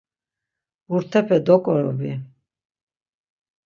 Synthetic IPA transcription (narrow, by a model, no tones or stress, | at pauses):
buɾt̪ʰɛpʰɛd̪ɔkʼɔɾɔbi